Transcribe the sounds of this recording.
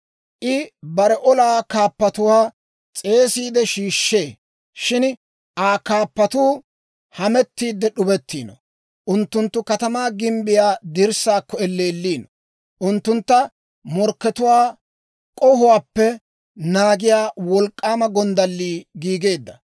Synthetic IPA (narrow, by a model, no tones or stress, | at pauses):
ʔɪbɐɾɛʔɔlaːkaːpːɐt̪ʊwaː | t͡sʼe̞ːsiːd̪ɛʃiːʃːe̞ː | ʃɪn | ʔaːkaːpːɐt̪uː | hɐmɛt̪ːiːd̪ːɛɗʊbɛt̪ːiːnɔ | ʔʊnt̪ːʊnt̪ːʊkɐt̪ɐmaːɡɪmbɪjaːd̪ɪɾsaːkːɔɛlːeːlːiːnɔ | ʔʊnt̪ːʊnt̪ːɐ | mɔɾkːɛt̪ʊwaː | kʼɔhʊwaːpːɛ | naːɡɪjaːwɔlkʼːaːmɐɡɔnd̪ɐlːiːɡiːɡe̞ːd̪ːɐ